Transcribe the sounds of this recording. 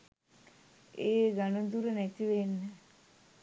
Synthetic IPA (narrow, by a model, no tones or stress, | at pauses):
eːɡanəd̪uɾənæt̪iʋenːə